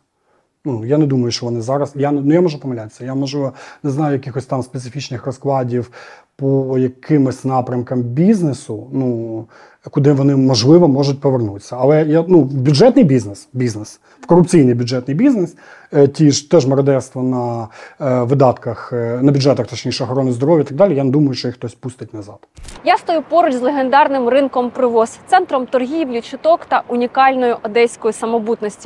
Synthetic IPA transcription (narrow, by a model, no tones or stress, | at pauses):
nujaned̪umɐjʊʃt͡ʃɔʋɔnɪzɑɾɐsjannujamɔʒɛpɔmɐlʲat̪e̥sʲːɐjamɔʒlˠɪʋɔneznɑjʊjɐkɪxɔsʲt̪ɑmspet̪sɪfʲit͡ʃnɪxrɔsklˠɑdʲiw | pɔjɐkʰɪmɪsʲnɑpɾʲɐmkɐmbʲiznesʊnu | kʊd̪ɪʋɔnɪmɔʒlˠɪʋɔmɔʒʊt̚ʲpɔʋernut̪sʲːɐɐlˠɛjanubʲʊdʒɛt̪nɪjbʲiznesbʲiznes | ʋkɔɾʊpt͡sʲijnɪjbʲʊdʐɛt̪nɪjbʲiznɛs | tʲiʒt̪ɛʒmɔɾɔd̪ɛst̪ʋɔnɐ | ʋɪd̪ɑt̪kɐxnɐbʲʊdʐɛt̪ɐxt̪ɔt͡ʃnʲiʃʊɔxɔɾɔnːɪzd̪ɔɾɔʋjɐit̪ɐɡ̚d̪ɑlʲijaned̪umɐjʊʃt͡ʃɔjixt̪ɔsʲpust̪ɪt̚ʲnɐzɑd̪jast̪ɔjupɔɾʊt͡ʃʲzlˠeɦend̪ɑrnɪmrɪnkɔmpɾɪʋɔst̪sɛnt̪ɾɔmt̪ɔrɦʲiwlʲʊt͡ʃɪt̪ɔkt̪ɐʔʊnʲikɑlʲnɔjʊʔɔd̪ɛsʲkɔjʊsɐmɔbut̪nɔsʲtʲi̥